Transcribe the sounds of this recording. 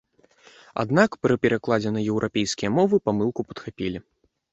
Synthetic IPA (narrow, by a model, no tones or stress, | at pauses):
a̰d̪nakpɾɨpʲɛɾaklˠad͡zʲɛnɐjɛwɾʔapʲejskʲijɐmɔvɨpamɨlˠkupɐ̥t̪xapʲilʲi